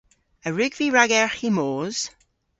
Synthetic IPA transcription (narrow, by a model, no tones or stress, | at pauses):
əɹʉɡviɹaɡɛɹhimoːz̥